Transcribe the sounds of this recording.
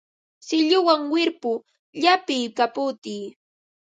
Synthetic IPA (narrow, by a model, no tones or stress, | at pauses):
sɪʎʊwaŋwɪɾpʊ | ʎapɪjkapʊt̪iː